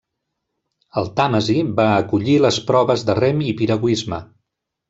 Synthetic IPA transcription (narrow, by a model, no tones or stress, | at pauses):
əlˠt̪aməzibaəkuʎiləspɾɔβəzðərɛmipiɾəɣwizmə